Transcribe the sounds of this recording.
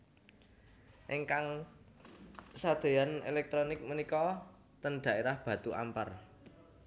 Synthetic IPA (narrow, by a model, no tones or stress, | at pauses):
ʔiŋkaŋ | sad̪̥e̤janḛlɛk̚t̪ɾonɪk̚mənikɔ | t̪ənɖ̪̥a̤ʔeɾahb̥ä̤t̪uʔa̰mpa̰r